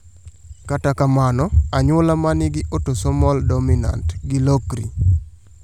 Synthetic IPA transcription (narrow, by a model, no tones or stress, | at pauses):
katakamanɔaɲʊlamanɪɡɪʔotosɔmɔldomina̰ntɡɪlokɾḭ